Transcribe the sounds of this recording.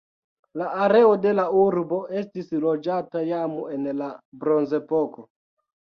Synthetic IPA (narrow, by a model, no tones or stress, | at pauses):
laaɾe̞ode̞lauɾbo̞ʔe̞stislo̞d͡ʒatajamoe̞nlabɾo̞nze̞po̞ko